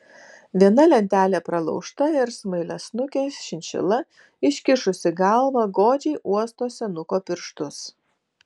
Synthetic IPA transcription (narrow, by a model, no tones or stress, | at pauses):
ʋʲiɛnɐlʲɛnʲt̪ʲæːlʲeːpɾɐlˠɒ̰ʊʃt̪ɐɪɾsmɐɪlʲɛsnʊkʲeːsʃʲɪnʲʃʲɛ̰lˠɐ | ɪʃʲkʲɪʃʊsʲɪɡɑlˠʋɐɡoːd͡ʒʲɛɪʔuɔst̪oːsʲɛnʊkoːpʲɪɾʃt̪ʊs